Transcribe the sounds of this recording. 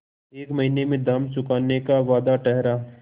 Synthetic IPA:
eːkmɐɦinemẽd̪aːmt͡ʃʊkaːnekaʋaːd̪aʈɛɦɾaː

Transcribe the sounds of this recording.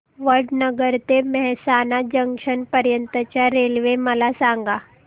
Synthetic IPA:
ʋəɭɖnəɡəɾt̪emɛɦsanad͡ʑəŋkʂənpəɾjənt̪ət͡ɕjaɾelʋeməlasaŋɡa

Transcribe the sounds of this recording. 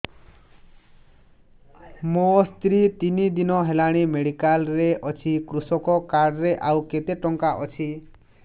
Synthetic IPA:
most̪ɾit̪inid̪inɔɦelaɽ̃imeɽikalɾeʔɔt͡ʃʰikɾusɔkɔkaɽɾeʔawket̪eʈɔŋkaʔɔt͡ʃʰi

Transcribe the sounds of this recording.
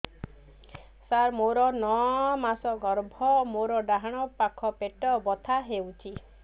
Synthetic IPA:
saɾmoɾɔnɔmasɔɡɔɾbʱɔmoɾɔɖaɦaɽ̃ɔpakʰɔpeʈɔbɔt̪ʰaɦewt͡ʃʰi

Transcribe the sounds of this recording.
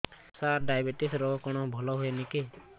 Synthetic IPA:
saɾɖajbeʈisɾɔɦɔkɔɽ̃ɔbʱɔlɔɦuenike

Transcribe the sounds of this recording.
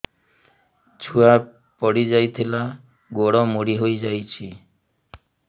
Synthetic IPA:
t͡ɕʰua | pɔɽid͡ʑajt̪ʰila | ɡoɽɔmoɽiɦojd͡ʑajt͡ɕʰi

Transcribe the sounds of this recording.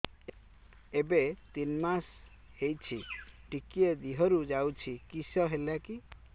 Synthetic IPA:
ebet̪inmas | hejt͡ʃʰiʈikied̪iɦɔɾud͡ʒawt͡ʃʰikisɔɦelaki

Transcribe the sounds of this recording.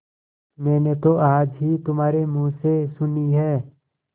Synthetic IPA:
mɛːnet̪oʔaːd͡ʒɦit̪ʊmɦaːɾemũːsesʊniɦɛː

